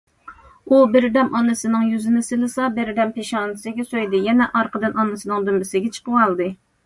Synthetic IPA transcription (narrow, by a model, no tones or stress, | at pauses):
ubɪɾd̪ɛmʔɑnɨsɨnɨŋjyzɪnɪsɪlɨsɑbɪɾd̪ɛmpeʃɑːnɨsɪɡʲɛsojd̪ɨjɛnɛʔɑɾqəd̪ɨnɑnɨsɨnɨŋd̪ymbɪsɪɡʲɛt͡ʃʰə̥qəɑlˠd̪ɨ